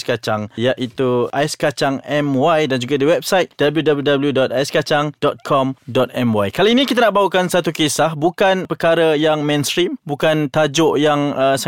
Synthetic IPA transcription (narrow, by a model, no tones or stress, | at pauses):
skat͡ʃaŋjaʔit̪uʔajskat͡ʃaŋɛmwajdand͡ʒuɡadiwɛp̚sajt̪̚d̥abəljudabljudabəljudɔt̪̚ajskat͡ʃaŋd̥ɔt̪̚kʰɔmdɔt̪̚ɛmwajkalainĩkit̪anaʔbaukansat̪ukesahbukanpəkaɾəjaŋmɛ̃nst̪ɾimbukant̪ad͡ʒʊʔjaŋəs